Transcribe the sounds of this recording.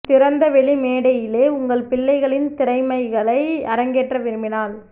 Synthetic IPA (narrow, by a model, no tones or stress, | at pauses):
t̪ɪɾɐnd̪ɐʋɛɭimeːɽɐjɪleːʊŋɡɐɭpɪɭːɐɪɣɐɭɪnt̪ɪɾɐɪmɐɪɣɐɭɐɪɐɾɐŋɡeːʈrɐʋɪɾɯmɪnaːl